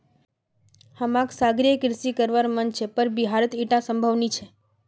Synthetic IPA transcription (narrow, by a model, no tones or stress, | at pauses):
hamãksaɡɾijekɾsikəɾʋaɾmənt͡ʃʰepəɾbiɦaɾət̪iʈasəmbʱəʋnit͡ʃʰe